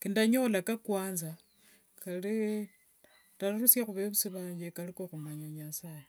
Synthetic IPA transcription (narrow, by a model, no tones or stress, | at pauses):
kindaɲo̞lakakwaːnza | kali | talurusjaxuβeβusiβaːɲd͡ʒekalikoxumaɲaɲasaje